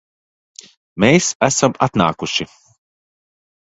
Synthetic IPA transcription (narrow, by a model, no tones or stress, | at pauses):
meːsæsamat̪na̰ːkuʃi